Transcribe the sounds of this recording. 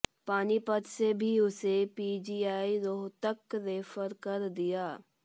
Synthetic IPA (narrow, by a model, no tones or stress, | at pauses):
paːnipət̪sebʱiʊsepiːd͡ʒiːaːiɾoːɦt̪əkɾeːfəɾkɐɾd̪ijaː